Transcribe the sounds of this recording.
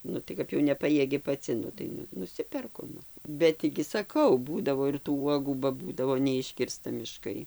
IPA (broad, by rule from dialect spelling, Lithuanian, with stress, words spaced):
ˈnʊ tɐɪ ˈkɐp jɛʊ nʲɛˈpɑːjiɛɡʲɪ pɐˈt͡sʲɪ ˈnʊ tɐɪ nʊ nʊˈsʲɪpʲɛrkʊ ˈnʊ ˈbʲɛt tʲiː ɡʲɪ sɐˈkɐʊ ˈbuːdɐʋoː ɪr tuː ˈuɔɡuː bɐ ˈbuːdɐʋoː nʲɛˈɪʃʲkʲɪrstɐ mʲɪˈʃkɐɪ